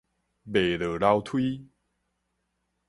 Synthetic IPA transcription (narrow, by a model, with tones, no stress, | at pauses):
be˨˩lə˨˩la˧wt̪ʰwi˦